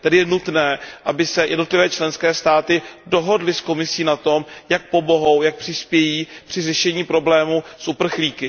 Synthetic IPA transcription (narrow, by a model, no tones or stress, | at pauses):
t̪ɛdɪjɛnut̪nɛːʔabɪsɛjʔɛ̰dno̞t̪lɪvɛːt͡ʃlɛnskɛːst̪aːt̪ɪdo̞ɦo̞dlɪsko̞mɪsiːnat̪o̞mjak̚po̞bo̞ɦo̞wjak̚pr̥ɪspjɛjiːpr̥ɪrɛʃɛɲiːpɾo̞blɛːmuːsʔupr̩xliːkɪ